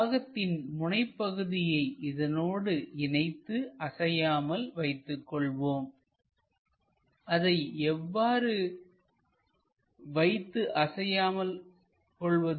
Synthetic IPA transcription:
ɣɐt̪ːɪnmʊɳɐɪpːɐɣɯðɪjɐɪʔɪðɐnoːɽɯɪnɐɪt̪ːɯʔɐsɐjaːmɐlʋɐɪt̪ːɯkːɔɭʋoːm | ʔɐðɐɪɛʋːaːɾɯ | ʋɐɪt̪ːɯʔɐsɐjaːmɐl | kɔɭʋɐ

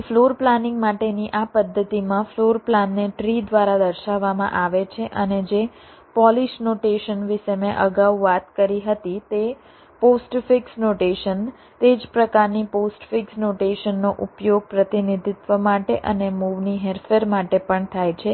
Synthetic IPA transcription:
floɾplanɪ̃ŋɡmaʈeniʔapəd̪ʱːət̪imãfloɾplanːeʈɾid̪ʋaɾad̪əɾʃaʋːamã̰ʔaʋet͡ʃʰeʔəned͡ʒe | pɔliʃnoʈeʃənʋɪʃəmeʔəɡaʋʋat̪kəɾiɦət̪it̪e | posʈfɪksnoʈeʃən | t̪ed͡ʒpɾəkaɾniposʈfɪksnoʈeʃənːoʔupjoɡ̚pɾət̪inid̪ʱit̪ʋəmaʈeʔə̰nemuʋniɦeɾfeɾmaʈepəɳt̪ʰajt͡ʃʰe

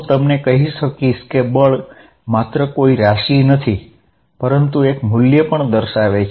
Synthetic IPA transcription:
t̪əmnekəɦiʃəkiʃkebəɭ | mat̪ɾəkoiɾaʃinət̪ʰi | pəɾənt̪uekmuljəpəɳd̪əɾʃaʋet͡ʃʰ

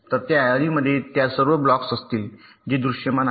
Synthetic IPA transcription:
t̪əɾt̪jaːjaɾiməd̪ʱːjet̪jasəɾʋəblɔksəst̪iːl | d͡ʑid̪ɾuʂjəman

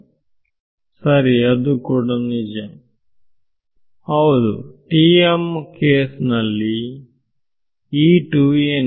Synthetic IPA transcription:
sɐɾiɐd̪ukuːɽanid͡ʒɐm | hɐwud̪ṵʈiemkeːsnɐlːi | iːʈuen

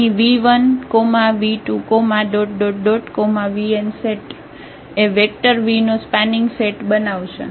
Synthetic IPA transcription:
iʋiʋənkomaʋiʈukomaɖoʈ̚ɖoɖɖoʈkomaʋienseʈ | eʋek̚ʈəɾʋinospɛnɪŋɡseʈbənaʋt͡ʃʰḛ

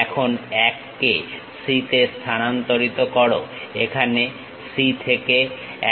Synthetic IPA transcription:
ɛkʰonɛkːe | ʃit̪est̪ʰanant̪oɾit̪okɔɽoekʰane | sit̪ʰeke | ɛ

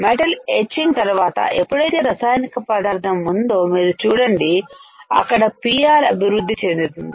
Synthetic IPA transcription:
meʈɐleːt͡ʃiŋɡt̪ɐɾuʋaːt̪ɐ̰ʔepːuɽɐjt̪e̞ːɾɐsaːjnikɐpɐd̪ʱaːɾd̪ɐmːund̪oːmiːɾut͡ʃuːɽɐɳɖiɐ̰kːɐɽɐpiaːɾɐ̰bʱiʋɾud̪ʱːit͡ʃend̪ut̪und̪i

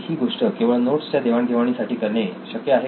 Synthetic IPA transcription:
ɦiːɡoʂʈəkẽw̃ʋəɭnoʈst͡ɕjad̪eʋaɳɡʱeʋaɳ̃isaʈʰiːkəɾɳeɕəkjəaɦe

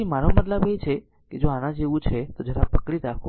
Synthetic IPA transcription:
imaɾomət̪ləbet͡ʃʰe | ked͡ʒoanãd͡ʒeʋũt͡ʃʰet̪od͡ʒəɾapəkɽiɾakʰo

